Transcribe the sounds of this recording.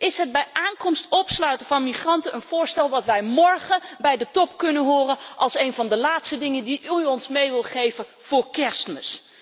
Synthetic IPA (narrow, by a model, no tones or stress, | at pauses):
ʔɪsɦəd̚bɛjʔaːŋkɔmstɔpslœɥtəvɑnmiχrɑntənʔənv̥ʊːɹstɛlˠʋɑtʋɛjmɔɹχəbɛjdətɔpkɵnənɦʊːrənʔɑlˠsejnvɑndəlaːtstədɪŋəndiɔnsmejʋɪlˠχejvə | v̥ʊːɹkɛstməs